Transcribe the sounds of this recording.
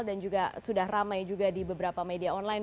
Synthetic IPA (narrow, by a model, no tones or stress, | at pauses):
ldand͡ʒuɡasudahramajd͡ʒuɡadibəbəɾapamediaɔnlajn